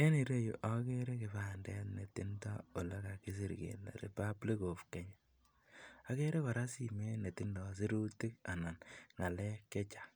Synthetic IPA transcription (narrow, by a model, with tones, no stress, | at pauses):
e˦ni˨ɾe˦jṵ˨ʔa˦ke˦ɾe˦kɪ˨βa˨ndɛ˦tne˨ti˦nta˦o˨le˦ka˨ki˦s̬i˦˨ɾɡḛ˨la̰˨ɾḛ˨pa˦bli˦ko˨fkɛ˨ɲa˨ | a˨˦ke˦ɾe˦kɔ˨ɾa˦si˨me˦ne˨ti˦ndɔ˨s̬i˦ɾu˦ti˦k̚a˨na˨nŋa˨lɛ˦kɛ˦t͡ʃḁ˨